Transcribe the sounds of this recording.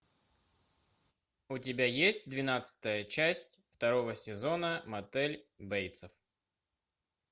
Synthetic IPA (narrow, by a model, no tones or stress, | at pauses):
ʊtʲɪbʲajesʲt̚ʲd̪vʲɪnat̪sɨ̥t̪əjət͡ɕæsʲtʲft̪ɐɾovəsʲɪzonəmɐt̪ɛlʲbɛjt̪səf